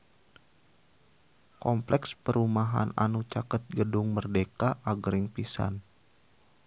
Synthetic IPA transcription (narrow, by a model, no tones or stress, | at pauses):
kɔmplɛkspəɾumaɦa̰na̰nut͡ʃakət̪̚ɡədʊŋmərdekaʔaɡəɾɪŋpisa̰n